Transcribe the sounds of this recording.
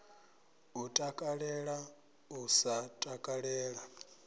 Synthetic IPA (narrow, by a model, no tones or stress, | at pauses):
utʼakʼaɺɛɺa | usatʼakʼaɺɛːɺa